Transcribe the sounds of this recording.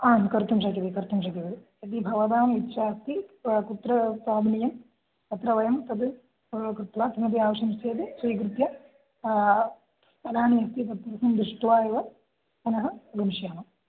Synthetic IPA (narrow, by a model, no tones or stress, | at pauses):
aːnkɐɾt̪umʃak̬it̪ikɐɾt̪umʃ̬ɐkit̪ɐd̪i | ɐt̪ibʱɐʋɐd̪aːmit̪ːʃaːst̪ikut̪ɾɐsaːbʱnijɐm | t̪ɐt̪ɾɐʋɐjɐmt̪ɐd̪u | kɾut̪ʋaːt̪inɐd̪iaːʋɐʂɐmseːd̪isʋɐjkɾɨt̪jɐ | sɐlaːniɦɐst̪it̪ɐt̪ːɐɾɐsɐmd̪ɾɪʂʈʋaːjɐʋɐ | t̪ɐnɐɦɐɡɐmiʃjaːnɐm